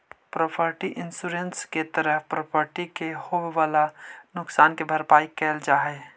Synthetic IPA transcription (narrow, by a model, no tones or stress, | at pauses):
pɾoːpʰəɾʈiʔɪnsuɾẽnsket̪əɾəɦpɾoːpʰəɾʈikehoːweʋaːlanʊksaːnkebʱəɾpaːikːɛːld͡ʒaːɦɛː